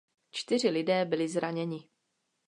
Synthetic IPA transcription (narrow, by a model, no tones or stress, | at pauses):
t͡ʃt̪ɪr̝ɪlɪdɛːbɪlɪzɾaɲɛɲɪ